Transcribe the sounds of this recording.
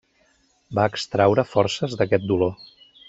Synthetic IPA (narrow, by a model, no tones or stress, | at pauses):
baəkst̪ɾawɾəfɔɾsəzðəkɛt̪̚d̪ulo